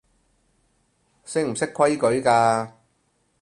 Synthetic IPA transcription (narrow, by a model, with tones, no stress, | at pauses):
sɪ˥ŋm̩˨˩sɪ˥kʰwɐ˥jkɵ˨˥ɥkaː˧